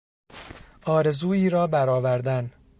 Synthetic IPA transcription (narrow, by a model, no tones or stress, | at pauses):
ʔɒːɾe̞zuːiːɾɒːbæɾɒːvæɾd̪æn